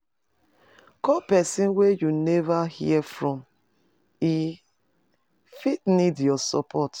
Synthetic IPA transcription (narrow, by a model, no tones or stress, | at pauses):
kɔpɛsĩnwejunɛvahḭɛfɹɔ̃m | i | fitnidjɔsɔ̰pʰɔt